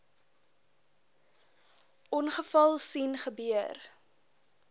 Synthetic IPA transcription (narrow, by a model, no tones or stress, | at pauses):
ʔɔnχəfɐlˠsinχəbyər